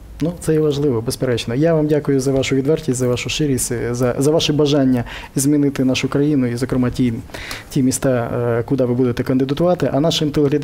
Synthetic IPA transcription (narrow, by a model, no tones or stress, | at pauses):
nut̪sɛjɛʋɐʒlˠɪʋɔbespeɾɛt͡ʃnɔjaʋamdʲakʊjʊzɐʋɑʃʊʋʲid̪ʋɛrtʲisʲzɐʋɑʃʊʃɪɾʲisʲtʲzɐzɐʋɑʃɛbɐʒɑnʲːɐizmʲinɪt̪ɪnɑʃʊkɾɐjinʊizɔkɾɪmɑtʲitʲimʲist̪ɑkʊd̪ɑʋɪbud̪et̪ɛkɐnd̪ɪd̪ɐt̪ʊʋɑt̪ɪʔɐnɑʃɪmt̪elˠeɦlʲɐd̪